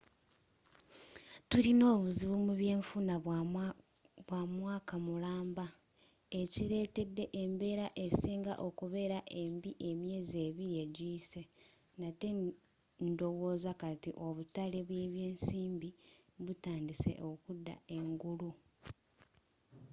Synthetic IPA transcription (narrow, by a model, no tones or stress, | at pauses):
tuɾino̞ːβuziβumuβje̞ːɱfuna | βwamwaːkamulaːmba | e̞ciɾe̞ːte̞dːe̞ʔembe̞ːɾaʔe̞siːŋɡa̰ʔo̞kuβe̞ɾaʔe̞mbiʔe̞mje̞ːze̞ːβiɾie̞ɟiːse̞ | nate̞ | ndo̞wo̞ːzakatiʔo̞βutale̞βweːβje̞ːnsiːmbiβutaːndise̞̰ʔo̞kudːa̰e̞ŋɡulu